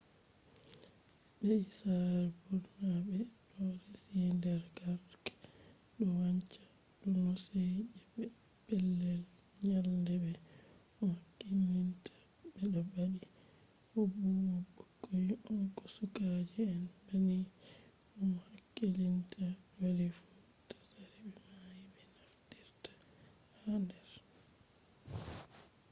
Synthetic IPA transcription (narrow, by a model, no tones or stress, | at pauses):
bɛsaɾɛbudumabɛɗɔɾisindɛɾɡaɾkḁ | ɗɔwaɲt͡ʃḁ | ɗɔnɔsɛjd͡ʒɛbɛ | b̥ɛlːɛl | ɲaldɛbɛ | ɔmakːilintʰḁ | ɓɛɗɔbaɗi | hɔbumɔbɔkːɔjuʔɔnkɔsukad͡ʒɛɛnbani | ʔɔmhakːilintʰawaɾifu | tḁsaɾibɛmajbɛnaftiɾtḁ | handɛɾ